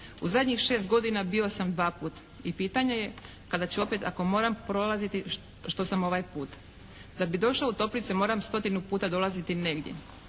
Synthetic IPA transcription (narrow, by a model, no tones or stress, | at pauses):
uzad̪ɲixʃe̞ːst̪ɡo̞d̪inabio̞samd̪ʋaːpuːt̪ | ipiːt̪aɲeje̞ | kad̪at͡ɕuo̞pet̪a̰ko̞mo̞ːɾampɾo̞lˠazit̪i | ʃt̪o̞samo̞ʋajpuːt̪ | d̪abid̪o̞ʃlaut̪o̞plit̪semo̞ːɾamst̪o̞t̪inupuːt̪ad̪o̞lˠazit̪ineɡd̪je̞̰